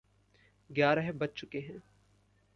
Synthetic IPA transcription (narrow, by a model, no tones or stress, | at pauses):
ɡjaːɾəɦɛ̃bɐt̚t͡ʃʊkeɦɛ̃ː